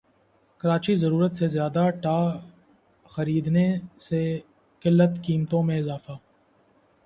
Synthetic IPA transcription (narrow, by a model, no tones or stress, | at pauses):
kɐɾaːt͡ʃizɐɾuːɾət̪sezjaːd̪aʈaː | xɐɾiːd̪nese | kɪlːət̪kiːmt̪õmẽɪzaːfaː